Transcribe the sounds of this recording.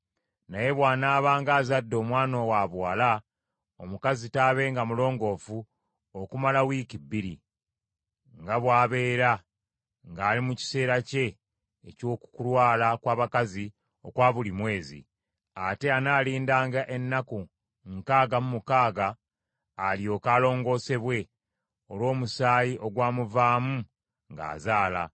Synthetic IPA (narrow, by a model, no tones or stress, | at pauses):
naje̞βwaːnaːβaːŋɡaːzadːo̞ːmwaːno̞waːβwaːla | omukazitaːβe̞ːŋɡamulo̞ːŋɡo̞fu | okumalawiːkibiɾḭ | ŋɡaβwaːβe̞ːɾa | ŋɡaːlimuci̥se̞ːɾace̞ː | co̞ːku̥kulwaːlakwaːβakazi | o̞kwaːβulimwe̞ːzḭ | ate̞anaːliːndaːŋɡaʔe̞nːaku | ŋkaːɡamumukaːɡaː | lio̞ːkaːlo̞ːŋɡo̞ːse̞βwe̞ | o̞lwo̞ːmusaːjiʔo̞ɡwaːmuvaːmu | ŋɡa̰ːzaːla̰